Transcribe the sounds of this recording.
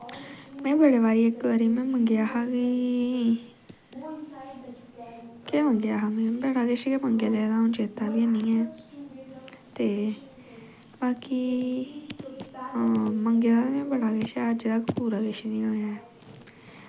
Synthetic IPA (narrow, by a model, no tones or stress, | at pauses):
mɛ̃ːbəɽeːʋaːɾiːekːəɾimẽːməŋɡeaːɦaɡiː | keməŋɡeaːɦaːmẽbəɽaːɡeʃkeməŋɡelɛːd̪aːʊ̃nt͡ʃeːt̪aːbiənĩːɛː | t̪eː | baːki | məŋɡelaːemẽːbəɽaːɡeʃɛəd͡ʒd̪akpuːɾaːɡeʃenĩːaaɛː